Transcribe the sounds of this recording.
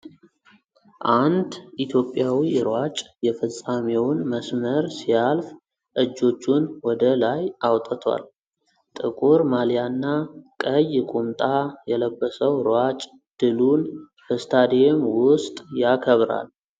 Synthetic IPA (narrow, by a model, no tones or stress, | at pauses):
ʔand̪ʔit̪ʰjo̞pʼːjawiɾwat͡ʃʼjɛfəsʼamewʊnməsməɾsijalf | ʔɨd͡ʒːo̞t͡ʃːunwɔd̪əlajawt̪ʼət̪ʰwa̰l | t̪ʼɨkʼuɾmaljanːakʼəjkʼumt̪ʼajɛləbːəsəwɾwat͡ʃʼ | d̪̥ɨlun | bəst̪ʰad̪emwʊst̪ʼjakʰəβɾa̰l